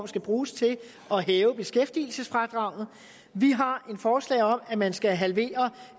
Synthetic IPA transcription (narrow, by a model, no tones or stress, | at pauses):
msɡ̥æb̥ʁuːst͡sʰe̝l | ɒ̽ɦɛːʊəb̥e̝sɡ̥efd̥ḭːl̩səsfʁɑd̥ʁɑ̈ʊ̰ð̩ˠ | ʋiɦɑ̈e̝nfɒːslɛ̰ːɪɒ̽mæmænsɡ̥æɦælʋe̝̰ːɐ